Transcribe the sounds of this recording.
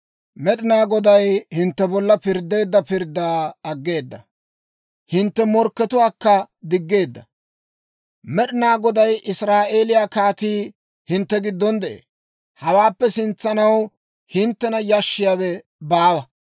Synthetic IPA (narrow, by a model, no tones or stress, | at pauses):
mɛɗɪnaːɡɔd̪ɐjhɪnt̪ːɛbɔlːɐpɪɾd̪ːe̞ːd̪ːɐpɪɾd̪ːaːɐɡːe̞ːd̪ːɐ | hɪnt̪ːɛmɔɾkːɛt̪ʊwaːkːɐd̪ɪɡːe̞ːd̪ːɐ | mɛɗɪnaːɡɔd̪ɐjʔɪsɾaːʔe̞ːlɪjaːkaːt̪iː | hɪnt̪ːɛɡɪd̪ːɔnd̪ɛʔḛː | hɐwaːpːɛsɪnt͡sːɐnɐw | hɪnt̪ːɛnɐjɐʃːɪjaːwɛ | baːwɐ